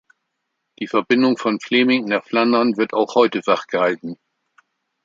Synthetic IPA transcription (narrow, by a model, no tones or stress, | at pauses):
d̥iːfɛɐbɪndʊŋfɔnfleːmɪŋnaχflandɐnvɪɐtaʊxhɔʏtəvaχɡ̥əhaltn̩